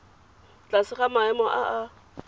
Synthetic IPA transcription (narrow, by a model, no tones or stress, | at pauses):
t͡ɬasɪχamaɛmɔʔaʔa